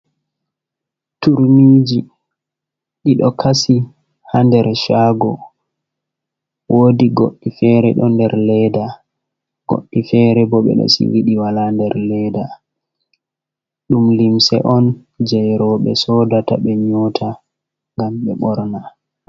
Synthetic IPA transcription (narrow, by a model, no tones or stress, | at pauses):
tuɾniːd͡ʒi | ɗiɗɔkʰasi | handɛɾʃaːɡɔ | woːdiɡoɗːifɛɾɛ̰ɗɔndɛɾlɛda | ɡ̥o̰ɗːifɛɾɛbɔɓɛ̰ɗɔ̰sḭwiɗiwalandɛɾlɛda | ɗumlimsɛ̰ʔɔn | d͡ʒɛjɾɔɓɛsɔdata̰ɓɛɲɔtʰa | ŋɡamɓɛɓɔɾna